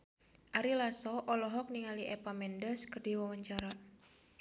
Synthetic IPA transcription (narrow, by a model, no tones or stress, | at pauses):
ʔaɾilasɔʔɔlɔɦɔk̚niŋaliʔɛpamɛndəskərdiwawaɲt͡ʃaɾa